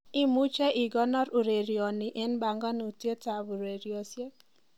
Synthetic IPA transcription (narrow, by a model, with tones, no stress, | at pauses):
i˦mu˦t͡ʃe˦ʔi˨ɡɔ˦nɔ˦ɾu˨ɾe˨ɾjɔ˨ni˨ʔe˦nba˨ŋɡɔ˦nu˨te˦ta˨βu˨ɾe˨ɾi˨ɔ˨sje˦